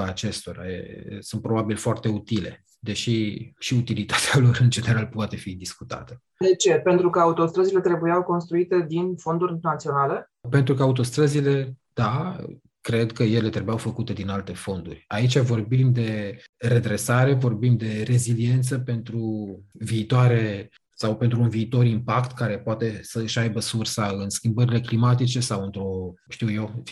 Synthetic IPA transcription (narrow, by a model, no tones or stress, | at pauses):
at͡ʃe̞st̪o̞ɾa̰jḛsunt̪̚pɾo̞babilfoart̪e̞ut̪ile̞̰ | d̪e̞ʃiʃiut̪ilit̪ḁt̪ealo̞ɾɨnd͡ʒe̞neɾalpowat̪e̞fid̪iskut̪a̰t̪ə̥ | d̪e̞t͡ʃe̞pe̞nt̪ɾukəaut̪o̞st̪ɾəzile̞t̪ɾe̞bujawko̞nst̪ɾuit̪e̞d̪info̞nd̪urʲnat̪sio̞nale̞ | pe̞nt̪ɾukəaut̪o̞st̪ɾəzile̞d̪̥a | kɾe̞d̪kəje̞le̞t̪ɾebujawfəkut̪e̞d̪inalt̪e̞fo̞nd̪ṵrʲait͡ʃʲavo̞rbimd̪e̞re̞d̪ɾe̞saɾe̞vo̞rbimd̪e̞re̞zilie̞nt̪səpe̞nt̪ɾuviːt̪oaɾe̞ | sawpe̞nt̪ɾuːnviːt̪o̞ɾimpakt̪kaɾe̞poat̪e̞səɨʃajbəsursaɨnskʲimbəɾile̞klimat̪it͡ʃe̞sawɨnt̪ɾo̞ | ʃt̪iwjewf